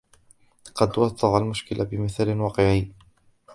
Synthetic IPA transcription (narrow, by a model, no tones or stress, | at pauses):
qɑd̪wɑθˤːɑʕalmʊʃkɪlʔabɪmɪθalwɑːqɨʕɪː